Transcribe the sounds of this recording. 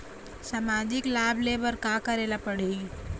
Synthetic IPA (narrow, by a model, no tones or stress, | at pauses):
saːmaːd͡ʒɪklaːbleːbəɾkakɐɾeːlapəɽiː